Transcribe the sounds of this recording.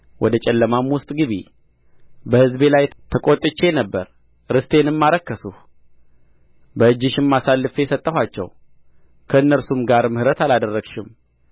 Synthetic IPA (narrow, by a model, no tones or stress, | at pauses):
wɔd̪ət͡ʃʼɛlːəmamwʊst̪ʼɡɨβḭ | bəhɨzbe̞lajt̪ʰəkʼot̪ʼɨt͡ʃːe̞nəbːəɾ | ɾɨst̪ʰe̞nɨmːaɾəkːəsuh | bəɨd͡ʒːɪʃɪmːasalːɨfeɛsət̪ʼːəhʷwat͡ʃːɛ̰w | kʰəɨnːəɾsumɡaɾmɨhɨɾət̪alad̪ərːəɡʃɪm